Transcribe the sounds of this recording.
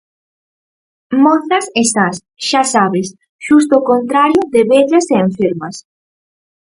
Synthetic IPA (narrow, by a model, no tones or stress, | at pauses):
moθɐsest̪as | ʃasaβes | ʃust̪oːkont̪ɾaɾjʊðeβeʎɐseːɱfeɾmɐs